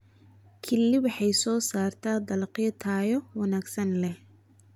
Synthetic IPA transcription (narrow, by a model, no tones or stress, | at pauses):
kʰɪlːɪwɑħɑjsɔːsaːrt̪ʰaːd̪ɐlqjɐt̪ʰaːjɔwɑnaːɡsɐnlɛh